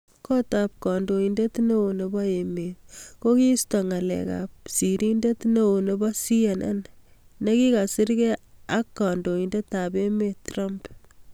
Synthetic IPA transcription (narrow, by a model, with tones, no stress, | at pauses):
kɔ˦ta˨p̚kɔ˨ndo˨inde˦tne˦o˨ne˨bɔ˦e˨me˨tko˦ki˦stɔ˨ŋa˨lɛ̰˨ka̰p̚si˨ɾʔi˦nde˦tne˦o˨ne˨bɔ˦si˦ja˨nʔa̰˦nne˦ki˦ka˨sɪ˦ɾke˦a˦kːɔ˨ndo˨i˨nde˦ta˨pe˦metːra˦mp